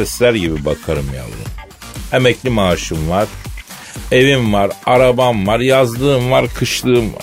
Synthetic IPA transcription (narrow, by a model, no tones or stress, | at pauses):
ɛslʲæɾɟibibakʰaɾɯmja̰lˠd̪ɯ̰n | emɛclʲimaːʃɯmvaɾ̥ | e̞vimvaɾaɾabamvaɾjazd̪ɯːmvaɾkʰɯʃlˠɯːɯm